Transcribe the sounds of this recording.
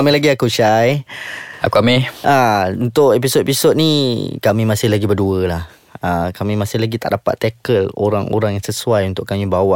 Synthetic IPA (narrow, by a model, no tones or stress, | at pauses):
amelaɡiakuʃaj | a̰kuameaunt̪ʊʔepisot̪̚episot̪̚nikamĩmasɪɦlaɡibəduəlah | əkamĩmasɪlaɡit̪a̰ʔdapa̰t̪ːɛkəlo̰ɾaŋo̰ɾaŋjãŋsəsuajunt̪ʊʔkamĩbawaʔ